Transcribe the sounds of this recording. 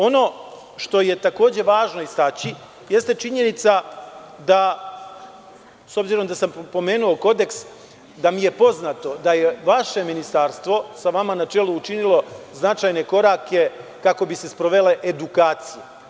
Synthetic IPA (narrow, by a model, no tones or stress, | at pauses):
o̞no̞ | ʃt̪o̞je̞t̪ako̞ːd͡ʑe̞ʋaːʒno̞ist̪at͡ɕi | je̞st̪e̞t͡ʃiɲe̞nit̪sa | d̪a | so̞bziɾo̞md̪asampo̞me̞ːnuo̞ko̞d̪e̞ks | d̪amije̞po̞znaːt̪o̞d̪ajeʋaʃe̞minist̪aːɾst̪ʋo̞saʋamanat͡ʃe̞ːluːt͡ʃinilˠo̞znat͡ʃaːjne̞ko̞ɾake̞kako̞bise̞spɾo̞ʋe̞le̞ʔed̪ukaːt̪sije